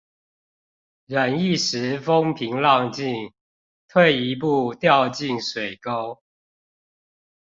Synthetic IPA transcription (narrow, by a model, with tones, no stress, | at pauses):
ɻə˨˩ni˥˨ʂɻ̩˧˦fo˦ŋpʰi˧˥ŋlɑ˥˧ŋt͡ɕi˥˨ŋ | t̪ʰwe˥˨ɪi˧˦p̬u˥˧t̪jɑ˥˧ʊt͡ɕi˥˨ŋʂwe˨˩ɪko˥˦ʊ